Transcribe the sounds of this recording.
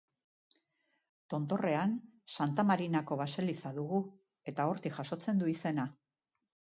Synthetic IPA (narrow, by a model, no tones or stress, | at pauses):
t̪o̞nt̪o̞re̞ansant̪amaɾinako̞βase̞lisaðuɣu | e̞t̪ao̞ɾt̪iʝaso̞t͡se̞nd̪uise̞na